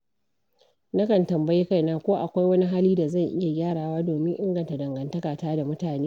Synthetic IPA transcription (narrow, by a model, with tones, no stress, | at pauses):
nɐ˦kɐ˨ntɐ˨mbɐ˦je˦ka˦˨jnaː˦kʷoː˦ʔa˨kʷa˦jwɐ˦ni˦ɦaː˦liː˦da˨zɐ˦˨ŋʔɪ˦ja˨ɡʲaː˦ɽaː˨waː˦doː˨mɪ˦ŋʔɪ˦ŋɡɐ˨nta˨dɐ˨ŋɡɐ˨ntɐ˦kaː˨taː˦da˨mʊ˦taː˨neː˦